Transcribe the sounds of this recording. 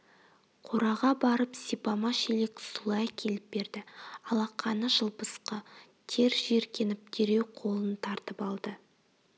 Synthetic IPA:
qʰoɾɑʁɑbɑɾəpsipɑmɑʃele̞ksulˠɑjkʲʰe̞lɪp̚be̞ɾd̪ɪɑlˠɑqʰːɑnəʒəlˠbəsqə | t̪ʰe̞ɾʒe̞ɾkʲe̞nɪp̚d̪ʰeɾe̞wqʰo̞lˠənt̪ʰɑɾt̪əpɑlˠd̪ə

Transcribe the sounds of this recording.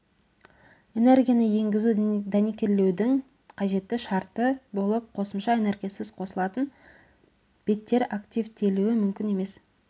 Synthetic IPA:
e̞ne̞rɡʲijanəje̞ŋɡʲɪzud̪anikʲe̞ɾle̞wd̪ɪŋ | qʰɑʒe̞t̪ːɪʃɑɾt̪əbo̞lˠəp̚qʰo̞səmʃɑe̞ne̞rɡʲijasɪzqʰo̞səlˠɑt̪ən | b̥e̞t̪ːe̞ɾakt̪ʲijvt̪ʰe̞luwɪmʏmkʲɪne̞me̞s

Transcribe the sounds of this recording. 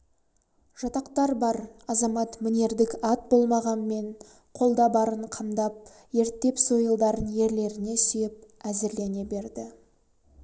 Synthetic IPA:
ʒ̥ɑt̪ɑqt̪ɑɾbɑɾɑzɑmɑt̪mɪne̞ɾd̪ɪkɑt̪̚bo̞lˠmɑʁɑnme̞ɴ | qʰo̞lˠd̪ɑbɑɾəɴqʰɑmd̪ɑp̚ | je̞ɾt̪ːe̞pso̞jəlˠd̪ɑɾənje̞ɾle̞ɾɪne̞sʏjɪp̚æzeɾle̞ne̞be̞ɾd̪ɪ

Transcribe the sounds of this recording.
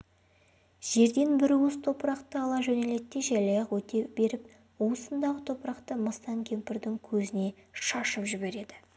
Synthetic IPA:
ʒ̥e̞ɾd̪e̞nbɪɾwəst̪ʰo̞pɾɑqt̪əɑlˠɑʒɵne̞le̞t̪ːe̞ʒæjlɑjɑqwɵt̪e̞be̞ɾɪp̚ | uwsənd̪ɑʁət̪ʰo̞pɾɑqt̪əməst̪ɑŋkʲʰe̞mpɪɾd̪ɪŋkʲʰɵzɪne̞ʃɑʃəpʒʏbe̞ɾe̞d̪ɪ

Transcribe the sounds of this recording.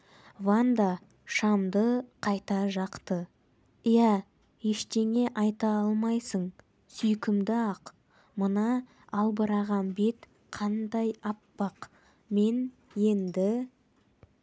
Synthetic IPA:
vand̪ɑ | ʃɑmd̪əqʰɑjt̪ɑʒɑqt̪ə | ijæ | jeʃt̪e̞ŋe̞ʔɑjt̪ɑɑlˠmɑjsəɴ | sʏjkʲɪmd̪ɪɑq | mənɑ | ɑlˠbəɾɑʁɑnbe̞t̪ | qʰɑnd̪ɑjɑpːɑq | me̞n | je̞nd̪ɪ

